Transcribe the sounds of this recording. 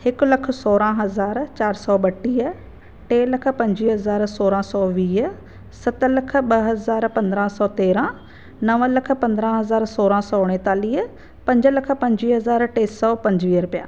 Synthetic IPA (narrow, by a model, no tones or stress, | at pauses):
hɪkʊlɐk̆ʰsoːɾãɦɐzaːɾt͡ɕaːɾsɔːɓɐʈiːɦə | ʈeːlɐkʰə̆pɐ̃ɲd͡ʑiːɦɐzaːɾsoːɾãsɔːʋiːɦ | sɐt̪ə̆lɐk̆ʰɓɐɦɐzaːɾpɐ̃nd̪ɾãːsɔːt̪eːɾã | nɐʋə̃lɐkʰə̆pɐ̃nd̪ɾãɦɐzaːɾsoːɾãsɔːɽ̃ẽt̪aːliːɦə | pɐ̃ɲd͡ʑəlɐkʰə̆pɐ̃ɲd͡ʑiːɦɐzaːɾʈeːsɔːpɐ̃ɲd͡ʑʋiːɦəɾpija̰ː